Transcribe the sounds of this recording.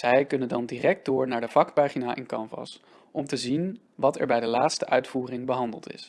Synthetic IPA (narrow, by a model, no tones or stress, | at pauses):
zɛjkɵnəndɑndiːrɛk̚d̥ʊːɹnaːɹdəv̥ɑkpaːχinaːʔɪ̰nkɑmvɑ̰s | ʔɔmtəzin | ʋɑtɛ̰ɹbɛjdəlaːtstəʔœɥtfuːrɪŋbəɦɑndə̰lˠtɪ̰s